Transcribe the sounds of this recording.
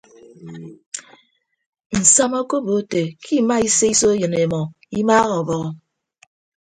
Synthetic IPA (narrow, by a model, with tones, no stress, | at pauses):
n̩˨sa˦mo˦ko˦bo˨˦te˨kʰi˦˨ma˦i˦se˦i˦so˦jɨ˨n˨e˨mɔ˨ | i˦maː˦ɣɔ˨bɔ˨ɣɔ˨